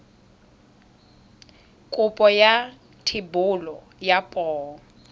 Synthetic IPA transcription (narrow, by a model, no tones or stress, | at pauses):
kʼʊpʼɔja | tʰɪbʊlɔ | japʼɔːɔ